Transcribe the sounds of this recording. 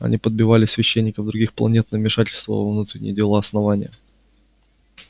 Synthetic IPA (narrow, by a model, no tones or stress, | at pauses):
ɐ̰nʲipəd̪̚bʲɪvalʲɪsvʲɪɕːenʲːɪkəvd̪ɾʊɡʲixplˠɐ̰nʲet̪nəmʲɪʂatʲɪlʲst̪və̰vɐvnut̪ɾʲɪnʲɪ̰jədʲɪlˠaɐsnɐvanʲɪjə